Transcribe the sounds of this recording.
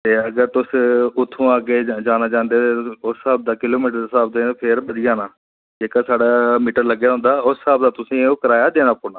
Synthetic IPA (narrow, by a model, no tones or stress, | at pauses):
t̪eːəɡəɾt̪ʊsʊt̪ʰːũːaːɡeːd͡ʒaːnaːd͡ʒãːnd̪eːt̪eːʊsːaːb̚d̪aːkɪloːmiːʈəɾsaːbd̪eːpʰɪɾbəd̪ɪjaːnaː | d͡ʒeːkaːsaːɽaːmiːʈəɾləɡjaːɦʊ̃nd̪aːʊsːaːb̚d̪aːt̪ʊsĩːoːkəɾaːjaːd̪eːnaːpoːnaː